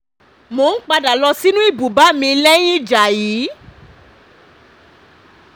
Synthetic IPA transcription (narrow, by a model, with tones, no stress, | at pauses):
mo˨˦n̩˦k͡pa˧da˨lɔ˧si˦nũ˦i˦˨bu˨ba˨˦mĩ˧lɛ˦j̃ĩ˦˨d͡ʒa˨jiː˨˦